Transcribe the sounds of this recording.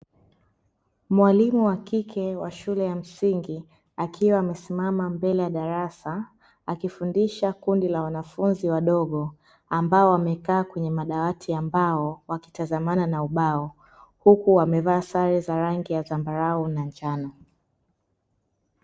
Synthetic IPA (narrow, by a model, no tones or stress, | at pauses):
mwalimuwakikʰɛwaʃulɛjam̩siŋɡi | akʰiwaːmɛsimamambɛlɛjaɗaɾasa | akifundiʃakundilawanafunziwaɗɔɠɔ | ambaɔwamɛkaːkwɛɲɛmaɗawatʰiambaɔwaki̥tazamananauɓaɔ | hukuwamɛvaːsaɾɛzaɾaŋɡijazambaɾaunaɲd͡ʒanɔ